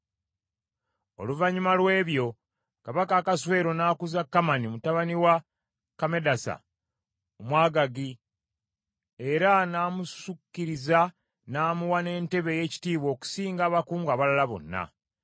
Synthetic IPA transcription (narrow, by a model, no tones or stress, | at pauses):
o̞̰luvaɲumalwe̞ːβjo̞ | kaβakaːkaswe̞ːɾo̞naːkuzakːamanimutaβaniwa | kame̞dasa̰ | omwaːɡaɡi | e̞ɾanaːmussukːiɾiza | naːmuwane̞ːnte̞βe̞je̞ːci̥tiːβwo̞ːku̥siːŋɡaːβakuːŋɡaːβalalaβo̞̰nːa̰